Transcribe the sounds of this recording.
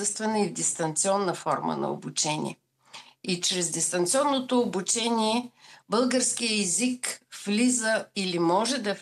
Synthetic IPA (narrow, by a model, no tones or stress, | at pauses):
əst̪vɛnəivd̪ɛst̪ɐnt̪siɔnːəfɔɾmə̰nɐ̰o̰but͡ʃɛnʲḭɛ̰ | it͡ʃɾɛzd̪ɛst̪ɐnt̪siɔnːot̪oːbut͡ʃɛnʲiɛbɤlˠɡəɾskijəɛzikflizəilimɔʒɛd̪ɐf